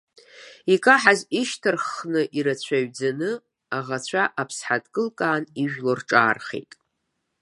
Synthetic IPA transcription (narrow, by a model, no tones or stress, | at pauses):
ikʼaħaziʃtʰɨrχnɨʔiɾat͡ɕʷʰaɥd͡zanɨ | aʁat͡ɕʷʰaʔapʰsħadkʼɨlkʼaːniʒᶣlorʈ͡ʂʼa̰ːrχḛjtʼ